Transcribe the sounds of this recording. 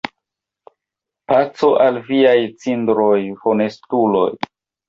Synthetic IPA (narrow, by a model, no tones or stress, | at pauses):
pat͡soʔalviajt͡sindɾo̞jfo̞ne̞stulo̞̰j